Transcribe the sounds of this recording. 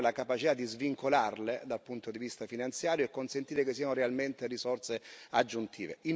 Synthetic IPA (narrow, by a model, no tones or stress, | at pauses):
lakapat͡ʃit̪ad̪ːizviŋkolarled̪alpunt̪od̪ivist̪afinant̪sjaːɾjoekːonsent̪iːɾekesːiːanorealment̪erisɔrt̪sead͡ʒːunt̪ʰḭːvḛʔin